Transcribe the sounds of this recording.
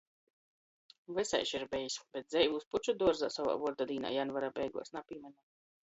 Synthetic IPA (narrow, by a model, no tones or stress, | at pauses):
vɛsɛ̰jʃiɾbɛjisbɛt̪̚zɛjvusput͡ʃud̪uɔɾza̰ːsava̰ːvuɔɾd̪ad̪iːna̰ːjanvaɾaːbʲɛjɡṵɔsnapimʲɛnʲɛ